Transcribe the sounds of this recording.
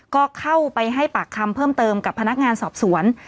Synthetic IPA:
kɔː˥˩kʰa˥˩wpa˧jɦa˥˩jpaː˨˩kʰːa˧mpʰɤː˥˩mt̪ɤː˧mka˨˩pʰːa˧na˦˥k̚ŋaː˧nsɔː˨˩p̚su˩˦ən

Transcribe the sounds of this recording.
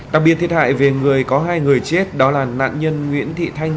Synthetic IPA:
ɗaː˨˩k̚ɓi˨ət̪ʰi˨ət̚ha̰ː˧˨jve˨˩ŋɨ˨˩əjkɔ˨˦ɦaː˧jŋɨ˨˩əjt͡ɕe˦˥t̚ɗɔ˨˦laː˨˩na̰ː˧˨nɲə˧nŋwḭ˧˥ənt̪ʰḭ˧˨t̪ʰa˧jŋ̟

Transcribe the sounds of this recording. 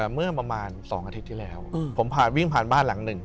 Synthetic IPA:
mɯ˥˩ɐpɾa˧maː˧nsɔ̰ː˩˦ŋʔa˧t̪ʰi˦˥t̪ːʰiː˥˩lɛː˦˥wpʰo˩˦mpʰaː˨˩nwi˥˩ŋpʰaː˨˩nbaː˥˩nla˨˩˦ŋnɯ˨˩ŋ

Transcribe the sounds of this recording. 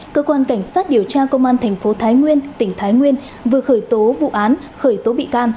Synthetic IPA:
kəː˧kwaː˧nka˧˩jŋ̟saː˦˥t̚ɗi˨˩əwt͡ɕaː˧kə˧wŋ͡mʔaː˧nt̪ʰɛ˨˩jŋ̟fo˨˦t̪ʰaː˨˦jŋwi˧ənt̪ï˧˩ŋ̟t̪ʰaː˨˦jŋwi˧ən | vɨ˨˩əxəː˧˩jt̪o˨˦vṵ˧˨ʔaː˨˦n | xəː˧˩jt̪o˨˦ɓḭ˧˨kaː˧n

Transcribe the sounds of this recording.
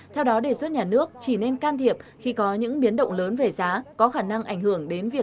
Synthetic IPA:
t̪ʰɛ˧wɗɔ˨˦ɗe˧˩swə˦˥t̚ɲaː˨˩nɨ˦˥ək̚t͡ɕi˧˩ne˧nkaː˧nt̪ʰi˨˩əp̚xi˧kɔ˨˦ɲɨ̰˧˥ŋɓi˨˦ənɗə̰˧˨wŋ͡mləː˨˦nve˨˩zaː˨˦kɔ˨˦xaː˧˩na˧ŋʔa˧˩jŋ̟hɨ˧˩əŋɗe˨˦nvi˨˩ə

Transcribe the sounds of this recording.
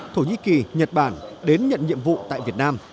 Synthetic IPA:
t̪ʰo˧˩ɲḭ˧˥ki˨˩ɲə˨˩t̚ɓaː˧˩nɗe˨˦nɲə̰˧˨nɲḭ˧˨əmvṵ˧˨t̪a̰ː˧˨jvi˨˩ət̚naː˧m

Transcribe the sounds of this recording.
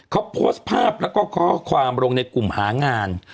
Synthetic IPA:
kʰa˦˥wpʰoː˦˥s̚pʰaː˥˩p̚lɛː˦˥wkɔː˥˩kʰɔː˥˩kʰwaː˧mɾo˧ŋna˧jku˨˩mhaː˩˦ŋaː˧n

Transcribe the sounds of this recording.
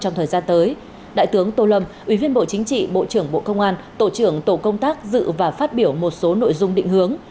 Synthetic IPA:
t͡ɕɔ˧wŋ͡mt̪ʰəː˨˩zaː˧nt̪əː˨˦j | ɗa̰ː˧˨jt̪ɨ˨˦əŋt̪o˧lə˧mʔi˧˩vi˧ənɓo̰˧˨t͡ɕï˨˦ŋ̟t͡ɕḭ˧˨ɓo̰˧˨t͡ɕɨ˧˩əŋɓo̰˧˨kə˧wŋ͡mʔaː˧nt̪o̰˧˩t͡ɕɨ˧˩əŋt̪o̰˧˨kə˧wŋ͡mt̪aː˦˥k̚zɨ̰˧˨vaː˨˩faː˦˥t̚ɓi˧˩əwmo˨˩t̚so˨˦no̰˧˨jzʊ˧ŋ͡mɗḭ̈˧˨ŋ̟hɨ˨˦əŋ

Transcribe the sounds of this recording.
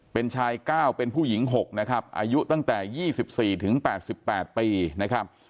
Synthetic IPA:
pe˧nt͡ɕʰaː˧jkaː˥˩wpe˧npʰuː˥˩ji˩˦ŋɦo˨˩k̚na˦˥kʰɾa˦˥p̚ʔa̰ː˧ju˦˥t̪a˥˩ŋt̪ɛː˨˩jiː˥˩si˨˩p̚siː˨˩t̪ʰɯ˩˦ŋpɛː˨˩t̪̚si˨˩pːɛː˨˩t̪̚piː˧na˦˥kʰɾa˦˥p̚

